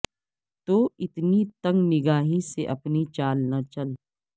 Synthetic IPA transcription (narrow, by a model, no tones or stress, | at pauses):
t̪oːɪt̪nit̪ɐ̃ŋɡnɪɡaːɦiseʔɐpnit͡ʃaːlnat͡ʃɐl